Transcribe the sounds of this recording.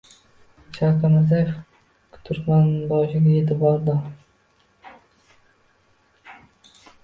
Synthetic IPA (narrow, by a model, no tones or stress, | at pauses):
t͡ʃʰaqamazajef | kʰʊ̥t̪ʰʊɾt̪manbɒʃɪɡʲaet̪ʰɪbɒɾd̪ɪ